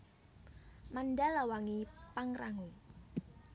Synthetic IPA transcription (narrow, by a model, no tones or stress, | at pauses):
manɖalawaŋipaŋraŋu